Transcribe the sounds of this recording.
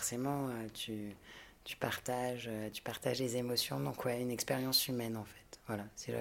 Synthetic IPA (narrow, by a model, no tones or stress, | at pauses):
fɔʁsemɑ̃øt̪ʰy | t̪y̥paʁt̪aʒøt̪y̥paʁt̪aʒlezemɔsjɔ̃d̪ɔ̃kwɛynɛkspeʁjɑ̃symɛnɑ̃fɛ̥t̪vwalasiʒə̰